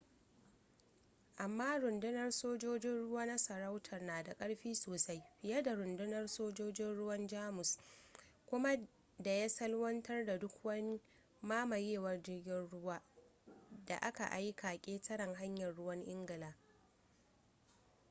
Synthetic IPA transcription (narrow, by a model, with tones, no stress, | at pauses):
ʔa˨mːaː˦ɾʊ˨ndɪ˦nɐ˦rsoː˦d͡ʒoː˦d͡ʒɪ˦nɽʊ˦waː˦na˦sɐ˨ɾa˦wtʰɐ˨rnaː˨da˨kʼɐ˦ɽɸiː˦soː˨sa˦jɸɪ˨jɐ˦da˨ɾʊ˨ndɪ˦nɐ˦rsoː˦d͡ʒoː˦d͡ʒɪ˦nɽʊ˦wɐ˦nd͡ʒaː˦mʊ˨s | kʷʊ˦ma˦ | da˨ja˦sɐ˦lwɐ˦ntɐ˦rda˨dʊ˦kwɐ˦ni˦ | maː˦mɐ˨ɾeː˦˨wɐ˦rd͡ʒɪ˦rɡʲɪ˦nɽʊ˦waː˦ | da̰˨ʔa˦ka̰˨ʔa˦jka˨kʲʼeː˦tʰɐ˦ɽɐ˨ŋɦa˦ɲjɐ˨rɽʊ˦wɐ˦ŋʔɪ˦ŋɡɪ˨laː˦